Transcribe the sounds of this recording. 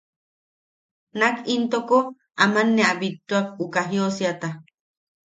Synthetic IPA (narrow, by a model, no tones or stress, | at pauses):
nakʰint̪oko | amanːeabit̪ːuak̚ukaɦjosiat̪a